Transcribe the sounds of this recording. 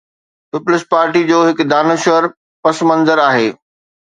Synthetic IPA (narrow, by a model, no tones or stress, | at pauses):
pɪpʊlɪspaːɾʈid͡ʑoːɦɪkd̪aːnʊʃəɾ | pɐsmɐ̃nzəɾaːɦeː